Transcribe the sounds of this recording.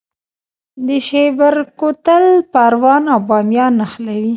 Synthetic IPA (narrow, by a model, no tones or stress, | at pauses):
d̪əʃebaɾkot̪əlpaɾwɑnawbɑmjɑnaxlawi